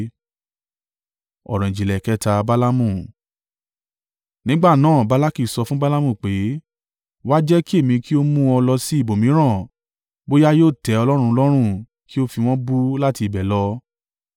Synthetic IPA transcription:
ɔ̰˨ɾɔ̃˨ĩ˨d͡ʒi˨lɛ˨kɛ˧˦ta˧ba˦la˦mũ˦˨ | nĩ˦ɡ͡ba˦˨nãː˦˨ba˨˦la˦ki˦˨sɔ˧fũ˦ba˦la˦mũ˦˨k͡pe˨˦ | wa˦d͡ʒɛ˦ki˦e˦˨mĩ˧ki˦o˦mũ˦ɔ˧lɔ˧si˦i˦˨bo˨mĩ˨˦ɾ̃ã˦˨ | bo˦ja˦joː˦˨tɛ˨˦ɔ˧lɔ˦ɾ̃ũ˧lɔ˦ɾ̃ũ˦ | ki˦o˦fi˧w̃ɔ̃˦bu˦la˦ti˧˨bɛ˨lɔ˧

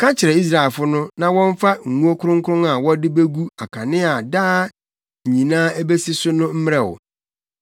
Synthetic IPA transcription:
kʰã˦t͡ɕʰɪ˨ɾɛ˨i˦s̬ɾa˨ɛ˨lfʊ˦nʊ̃˦nã˨wɔ̃˦ɱ˦fa˦ŋ̩˨ŋũ˦o˦kʰʊ˦ɾʊ̃˦ŋ̩˦kʰʊ˦ɾʊ̃˦ŋa˨wɔ˦dɪ˦be˦ɡu˦a˨kʰa˨nɪ̃˦a˨daː˦˨ | ɲĩ˨nãː˦æ˦be˦si˦sʊ˦nʊ̃˦m̩˦m˦ɾɛ˦˨ɔ̰˨

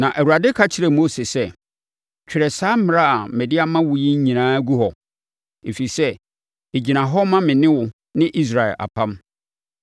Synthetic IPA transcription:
nã˨ʔæ˨wu˨ɾa˨dɪ˦kʰa˦t͡ɕʰɪ˨ɾɛ˨mo˦se˨sɛ˦ | t͡ɕᶣʰɪ˨ɾɛ˨saː˦m̩˦mɪ̃˨ɾa˦a˨mɛ˨dɪ˦a˨mã˦wʊ˨ji˦ɲ̩˦ɲĩ˨nãː˦ɡu˦hɔ˨ | e˨fi˨sɛ˦ | e˨d͡ʑi˨nã˨ɦɔ˦mã˦mɪ̃˨nɪ̃˦wʊ˨ | nɪ̃˦ʔi˦s̬ɾa˨ɛ̰˨lʔa̰˨pʰã˦m

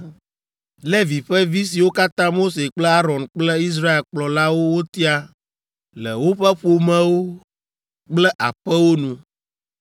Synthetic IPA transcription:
le˦vi˨ɸɛ˦vi˦s̬i˨wo˦ka˦t̪ã˦mo˦se˨k͡plɛ˦a˦ɾɔ̃˨nk͡plɛ˦i˦s̬ɾa˦e˨lk͡plɔ˨la˦wo˦wo˦t̪i˦a˦ | lɛ̰˨wo˦ɸɛ˦ɸo˨mɛ̃˦wo˦ | k͡plɛ˦ʔa̰˨ɸɛ˦wo˦nũ˨

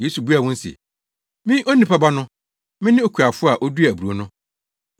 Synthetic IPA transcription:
je˦su˨bu˦a˨wʊ̃˦n̩˦sḛ˨ | mɪ̃˦ʔo˦nĩ˦pʰa˦ba˦nʊ̃˦ | mɪ̃˦nɪ̃˦o˨kʰu˨a˨fʊ˦a˨ʔo˦du˦æ˨bu˨ɾo˦nʊ̃˦

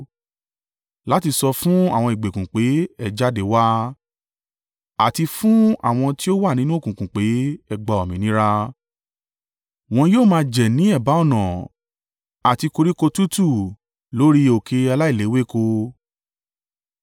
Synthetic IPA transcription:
la˦ti˧sɔ˧fũ˦a̰˦˨w̃ɔ̃˧i˨ɡ͡be˨kũ˨k͡pe˨˦ɛ˦˨d͡ʒa˦de˨˦wa˦ | a˨ti˧fũ˦a̰˦˨w̃ɔ̃˧ti˦o˦wa˦˨nĩ˦nũ˦o˦˨kũ˨kũ˨k͡pe˨˦ɛ˧ɡ͡ba˧ɔ˨mĩ˨nĩ˨˦ɾa˦ | w̃ɔ̃˧joː˦˨mãː˧˦˧d͡ʒɛ˨nĩ˨˦ɛ˦˨ba˨˦ɔ˦˨nɔ̃˨ | a˨ti˧ko˧ɾi˦ko˧tu˦tu˦˨ | lo˨˦ɾi˧o˨kʰe˧a˧la˦i˦˨le˨˦we˦˨ko˧

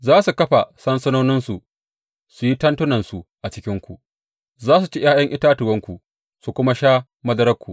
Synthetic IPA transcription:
zaː˦su˨kɐ˦ɸa˨sɐ˦nsɐ˦noː˦nɪ˦nsu˨ | su˨ji˦tɐ˦ntʊ˦nɐ˨nsu˨ʔa˨t͡ʃɪ˦kʲɪ˦ŋkʷu˨ | zaː˦s̬u˨t͡ʃe˦j̰ʔaː˦jɐ˦ŋʔɪ˦taː˦tʊ˨wɐ˦ŋkʷu˨ | su˨kʷʊ˦ma˦ʃaː˦ | mɐ˦dɐ˦ɾɐ˦kʷːṵ˨

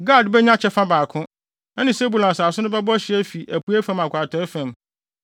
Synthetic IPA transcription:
ɡaː˦˨dbɛ˦ɲã˦t͡ɕʰɛ˦fã˦baː˨kʰʊ̃˦ | ɛ˦nɪ̃˨se˦bu˨lã˨saː˨sʊ̃˦nʊ̃˦bɛ˦bɔ˦ɕɪ˨æ˦fi˨ʔæ˨pʰu˨˦æ˦fã˨ma˨kʷʰa˨tʰɔ˨˦ɛ˦fæ̃˨m

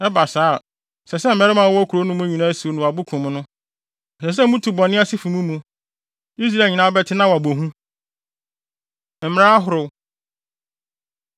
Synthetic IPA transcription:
ɛ˦ba˨saː˨˦˨ | sɛ˨sɛ˦m̩˨mɛ˦ɾɪ˦mã˨wɔ˦æ˦kʰu˨ɾo˦nʊ̃˦m̃˦ɲĩ˨nã˦su˨o˦nʊ̃˨wa˨bʊ˦kʰʊ̃˨m̃˦nʊ̃˦˨ | sɛ˨s̬ɛ˦mũ˦tʰu˨bɔ̃˨nɪ̃˦a˦sɪ˦fu˨mũ˦mũ˨ | i˦s̬ɾaɛ˨ɲɪ̃˨nãː˦bɛ˦tʰɪ˦nã˦wɔ˨a˨bo˨ɦũ˦ | m̩˨m˦ɾa˦a˦ɦʊ˨ɾʊ˨

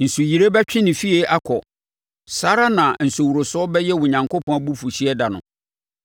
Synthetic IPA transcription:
n̩˨su˨ji˨ɾe˦bɛ˦t͡ɕᶣɪ̃˦nɪ̃˨fi˦e˨ʔa˦kʰɔ˨ | sa˦ɾa˦nã˨n̩˨sʊ˨wu˨ɾo˨sʊ˦ɔ˦bɛ˦jɛ˦wʊ˨ɲã˨ŋko˦pʰɔ̃˦bu˦fu˨ɕi˦ɛ˦da˨nʊ̰̃˨

